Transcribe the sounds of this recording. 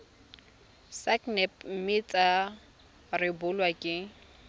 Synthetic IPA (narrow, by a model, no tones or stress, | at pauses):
saknɛpmɪt͡sʼa | rɪbʊlwakʼɪ